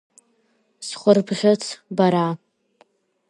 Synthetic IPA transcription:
sχʷʊrbʁʲɪt͡sʰbaɾa

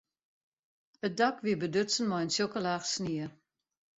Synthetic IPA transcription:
ət̚dakʋiəbədøt͡sən̩mɔjənsjokəlaːxsniə

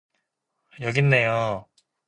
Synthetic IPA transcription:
jʌɡinːe̞jo

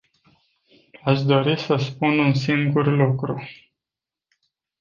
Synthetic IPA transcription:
aʃd̪o̞ɾisəspununsiŋɡurlukɾu

